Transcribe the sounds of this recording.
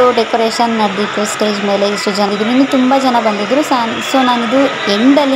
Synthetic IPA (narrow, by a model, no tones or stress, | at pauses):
uɖekoɾeːʃɐnnɐɖit̪ːusʈe̞ːd͡ʒmeːle̞iʂʈud͡ʒɐid̪ɾind̪ut̪umbɐd͡ʒɐnɐbɐnd̪id̪ɾusaːnsoːnaːnid̪u | eɳɖɐlːi